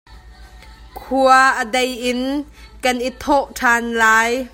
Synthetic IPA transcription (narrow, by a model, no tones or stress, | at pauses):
kʰuɐʔədejʔɪnkɐnʔit̪ʰɔʔʈʰaːnlaːj